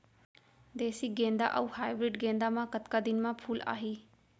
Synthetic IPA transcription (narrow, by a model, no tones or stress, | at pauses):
d̪eːsiːɡẽːnd̪a̰ːʔəuːhaːjbɾɪɖɡẽːnd̪aːmãːkət̪kaːd̪ɪnmãːpʰuːla̰ːɦiː